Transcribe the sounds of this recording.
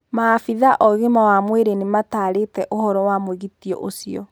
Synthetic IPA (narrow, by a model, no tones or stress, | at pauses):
maːfiðaʔɔɣemawamweɾenemataɾetɛʔohɔɾɔwamoweɣitiɔ̰ʔosiɔ̰